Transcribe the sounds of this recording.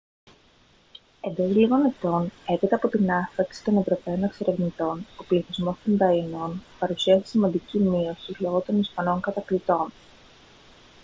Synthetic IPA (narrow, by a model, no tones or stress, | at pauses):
e̞nd̪o̞zliɣone̞t̪o̞ne̞pit̪ɐːpo̞t̪inɐnfɾɐksi̥t̪o̞ne̞vɾo̞pe̞o̞nekse̞ɾʔe̞vnit̪o̞no̞pliθizmo̞st̪ond̪ɐino̞npɐɾusiɐsi̥simɐnd̪icimio̞silo̞ɣo̞t̪o̞nispɐno̞ŋkɐt̪ɐklit̪o̞n